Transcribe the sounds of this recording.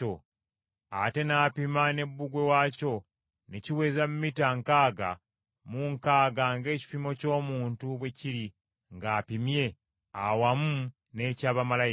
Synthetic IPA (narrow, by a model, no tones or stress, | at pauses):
o | a̰te̞naːpimane̞bːuɡwe̞waːco̞ | neciwe̞ːzamumitaŋkaːɡa̰ | muŋkaːɡaŋɡe̞ːci̥pimo̞co̞ːmuːntuβwe̞ciɾi | ŋɡaːpimje̞ | awamu | neːcaːβamala